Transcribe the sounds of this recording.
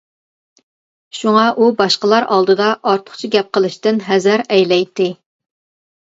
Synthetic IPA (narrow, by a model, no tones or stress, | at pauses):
ʃuŋɑʔubɑʃqəlˠɑɾʔɑ̰lˠd̪ɨd̪ɑʔɑɾt̪ʰʊ̥χt͡ʃʰiɡʲɛp̚qəlˠɨʃt̪ɪnɦɛzɪɾɛjlɛjt̪ʰːɪ